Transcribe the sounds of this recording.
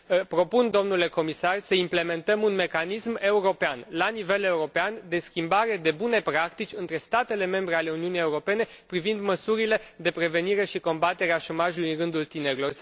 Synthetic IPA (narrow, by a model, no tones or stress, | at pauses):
pɾo̞pund̪o̞mnule̞ko̞misarsəimple̞me̞nt̪əmunme̞kanisme̞uɾo̞peanlanive̞le̞uɾo̞peand̪e̞skʲimbaɾe̞d̪e̞bune̞pɾakt̪it͡ʃʲɨnt̪ɾe̞st̪at̪e̞le̞me̞mbɾe̞ale̞uniunije̞uɾo̞pe̞ne̞pɾivind̪məsuɾile̞d̪e̞pɾe̞ve̞niɾe̞ʃiko̞mbat̪e̞ɾeaʃo̞maʒulujnɾɨnd̪ult̪ine̞ɾilor